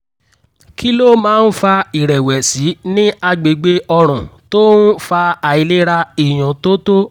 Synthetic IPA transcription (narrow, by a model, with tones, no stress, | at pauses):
ki˦lo˦mãː˦n̩˦fa˧i˨ɾɛ˨wɛ˨si˨˦nĩ˦a˧ɡ͡be˨ɡ͡be˧ɔ˧ɾ̃ũ˨to˦n̩˦fa˧a˨i˨˧le˦ɾa˧i˨j̃ã˨to˦to˦